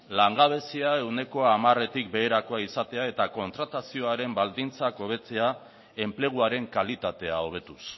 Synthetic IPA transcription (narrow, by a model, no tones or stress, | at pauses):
laŋɡaβ̞e̞siae̞wne̞ko̞amare̞t̪ik̚be̞ːɾako̞aisat̪e̞ae̞t̪ako̞nt̪ɾat̪asio̞aɾe̞mbald̪int͡sako̞β̞e̞t͡se̞a | e̞mple̞ɣ̞uaɾe̞ŋkalit̪at̪e̞ao̞β̞e̞t̪us